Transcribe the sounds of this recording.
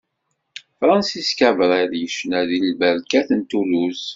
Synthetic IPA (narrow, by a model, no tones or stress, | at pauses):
fɾˤɑnsiskævɾˤæðjəʃnæðilbəɾkæθənt̪ulus